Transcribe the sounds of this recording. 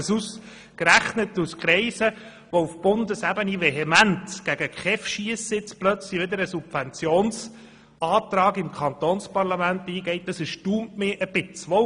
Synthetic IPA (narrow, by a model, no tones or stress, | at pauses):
sus | kɾæχnətuskʰɾɛɪsə | ʋɔufb̥ʊnd̪əsæbəniʋɛɦɛmæntɡ̥æɡ̥əkχɛfʃiəsɪt͡splœt͡sliʋɪd̪əɾəsupvɛnt͡sjoːns | ɑːt̪ɾɑːɡɪmkʰχɑnt̪oːnspɑɾlɑmænt̪iːɡɛɪt̚d̥ɑsɛʃtuːmtmɪʔəb̥ɪt͡sʋɔ